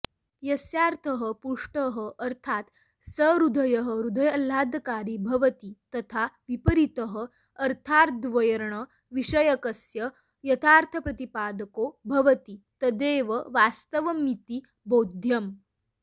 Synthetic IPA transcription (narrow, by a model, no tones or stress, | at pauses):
jəsjaɾt̪ʰəɦəpuʂʈəɦəʔəɾt̪ʰat̪ | səɾud̪ʱəjəɦəɾud̪ʱəjəl̤ad̪ʱkaɾiːbʱɐʋət̪iːt̪ɐt̪ʰaʋipəɾit̪əɦəː | ɾt̪ʰaɾd̪ʋəjəɾɳə | ʋiɕəjəkəsjə | jɐt̪ʰaɾt̪ʰəpɾɐt̪ipad̪əkobʱɐʋət̪iːt̪əd̪eʋəʋast̪əʋəmit̪iː | bod̪ʱjəm